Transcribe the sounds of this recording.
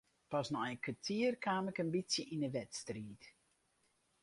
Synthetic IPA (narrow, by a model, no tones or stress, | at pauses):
pɔsnɔənkʋatʰiərkʰaːməkənbisjəʔinəʋɛtstriːt